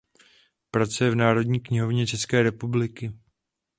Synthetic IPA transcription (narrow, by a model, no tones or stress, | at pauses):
pɾat͡sujɛvnaːɾo̞dɲiːkɲɪɦo̞vɲɛt͡ʃɛskɛːɾɛpublɪkɪ